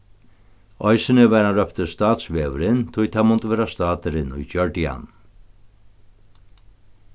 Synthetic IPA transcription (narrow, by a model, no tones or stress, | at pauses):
ɔjsɪnɪvɛɾanɾœpt̪əst̪aːt̪sʋeːʋəɾɪnt̪ʰʊjt̪ʰamʊnt̪əʋɛːɾast̪aːt̪ɪɾɪnṵjd͡ʒœɹʈɪa̰n